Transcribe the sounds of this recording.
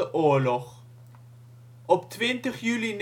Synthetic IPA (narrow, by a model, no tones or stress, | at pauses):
əʔuəɹlɔχ | ɔptwɪntəχjylin